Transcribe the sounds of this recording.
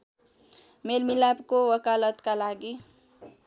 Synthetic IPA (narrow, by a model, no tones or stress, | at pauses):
melmilabkowəkalət̪kalaɡi